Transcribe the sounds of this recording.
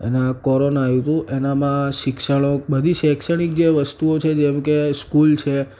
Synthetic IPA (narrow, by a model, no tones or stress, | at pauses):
ḛnakɔɾonajũt̪ũʔenamãʃɪkʃəɽ̃obəd̪ʱiʃɛkʃəɽ̃ik̚d͡ʒeʋəst̪uot͡ʃʰed͡ʒɛmkeskult͡ʃʰe